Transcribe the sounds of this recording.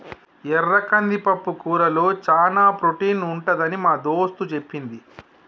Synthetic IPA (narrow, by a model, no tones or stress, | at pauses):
ɛrɐkɐnd̪ipɐpːukuːɾɐlo̞ːt͡ʃaːnaːpɾoʈiːnuɳʈɐd̪ɐnimaːd̪o̞ːst̪ut͡ʃe̞pːind̪i